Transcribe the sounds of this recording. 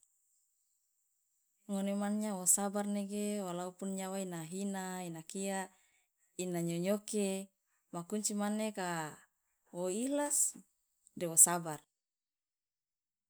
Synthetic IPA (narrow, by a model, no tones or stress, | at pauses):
ŋonemanɲawosabarneɡewalaupunɲawainaɦinainakia | inaɲoɲoke | makuɲt͡ʃimaneka | woilas | dewosabar